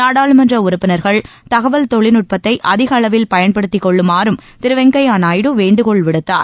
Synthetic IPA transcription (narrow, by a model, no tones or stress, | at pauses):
naːɽaːɭɯmɛndrɐʊɾʊpːɪnɐɾɣɐɭ | t̪ɐɣɐʋɐlt̪ɔɭɪnʊʈ̚pɐt̪ːɐɪʔɐðɪɣɐːɭɐʋɪlpɐjɐnpɐɽɯt̪ːɪkːɔɭːɯmaːɾɯmt̪ɪɾɯʋɐŋɡɐjaːnaːjɽɯʋeːɳɖɯkɔɭʋɪɽɯt̪ːa̰ːɾ